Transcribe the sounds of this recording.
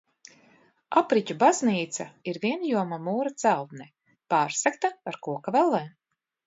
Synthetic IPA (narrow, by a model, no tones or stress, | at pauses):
apɾicʲubazniːt̪saiɾvʲiɛnjuɔmamuːɾat̪sælˠt̪nɛ | paːɾsakt̪aaɾkuɔkavɛlˠɛː